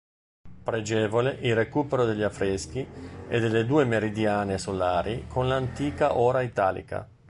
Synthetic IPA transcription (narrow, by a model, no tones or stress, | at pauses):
pɾed͡ʒɛːvoleʔilrekuːpeɾod̪eʎːafɾesk̟iḛd̪eled̪uːemeɾid̪jaːnesolaːɾikʰonlant̪iːkaʔoːɾait̪aːlḭka̰